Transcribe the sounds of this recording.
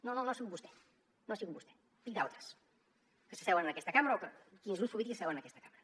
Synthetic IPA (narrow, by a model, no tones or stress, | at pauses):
nononoasiɣubust̪ɛ̥ | noasiɣubust̪ɛ̥ | pik̚d̪awˠt̪ɾəs | kəsəsɛwənənəkɛst̪əkamɾəokəkinzlusfuβit̪iksɛwənəkɛst̪əkamɾə